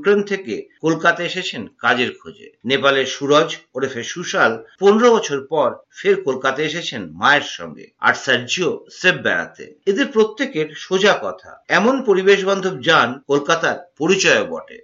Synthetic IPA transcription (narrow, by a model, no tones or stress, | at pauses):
ukɾent̪ʰekekolkat̪aeʃet͡ɕʰenkad͡ʑeɾkʰod͡ʑḛnepaleɾʃuɾɔd͡ʑoɾefeʃuʃalponeɾobɔt͡ɕʰoɾpɔɾfeɾkolkat̪aeʃet͡ɕʰenmaeɾʃɔ̰ŋɡḛa̰ɾsaɾd͡ʑiosebbɛ̰ɽa̰t̪ḛed̪eɾpɾot̪ːekeɾʃod͡ʑakɔt̪ʰa̰ɛmonpoɾibeʃbɔnd̪ʱob̚d͡ʑankolkat̪aɾpoɾit͡ɕɔjobɔ̰ʈḛ